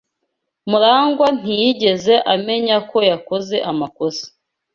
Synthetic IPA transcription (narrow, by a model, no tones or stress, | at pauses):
muɾaːŋɡwan̥ijiɟe̞ze̞ʔame̞ɲako̞jako̞ze̞ʔamako̞si̥